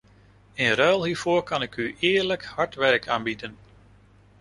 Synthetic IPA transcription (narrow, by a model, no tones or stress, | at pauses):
enrœːlˠɦiːɹv̥ʊːɹkɑnɪkyʔɪːɹləkhɑɹtʋɛɹkʰaːnbidən